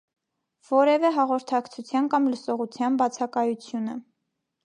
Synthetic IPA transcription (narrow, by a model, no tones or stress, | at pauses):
v̥ɔɾɛvɛɦɑʁɔɾt̪ʰɑkt͡sʰut͡sʰjɑnkɑmləsɔʁut͡sʰjɑnbɑt͡sʰɑkɑjut͡sʰjunə